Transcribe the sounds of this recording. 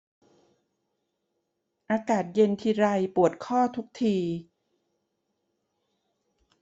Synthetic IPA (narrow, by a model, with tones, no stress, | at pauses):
ʔaː˧kaː˨˩t̪̚je˧nt̪ʰiː˧ɾa˧jpu˨˩ət̪̚kʰɔː˥˩t̪ʰu˦˥k̚t̪ʰiː˧